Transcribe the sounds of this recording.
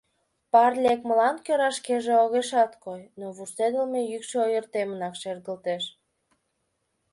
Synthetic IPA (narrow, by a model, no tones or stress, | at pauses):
pɑrlʲekməlɑnkøɾɑʃkeʒeoɣeʃɑt̪kojnoβuʃt̪ed̪ə̆lmejykʃeojərt̪emənɑkʃerd̪ə̆lt̪eʃ